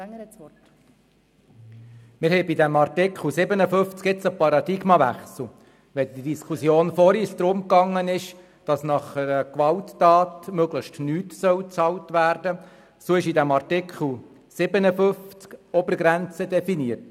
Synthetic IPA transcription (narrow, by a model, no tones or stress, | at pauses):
mɪɾhɛjbidæmɑrtɪkχl̩ˠsɪbənəfʏft͡skɪt͡səpɑɾɑd̪ɪɡmɑʋæ̰χsl̩ˠ | ʋɛd̪idiskʰusjoːnfɔɾisd̥̪ɾʊmkɑŋːənɪʃ | d̥ɑsnɑχəɾəkʋɑltːɑːtmœɡləχtnyːtsœwt͡sɑltʋæːrdə | soɪʃidæmɑrtɪkχl̩ˠ | sɪbənəfʏft͡skɔbəɾɡɾænt͡sədɛfiniərt